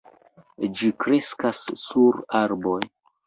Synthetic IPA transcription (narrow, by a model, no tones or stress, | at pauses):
d͡ʒikɾe̞skasːuɾaɾboj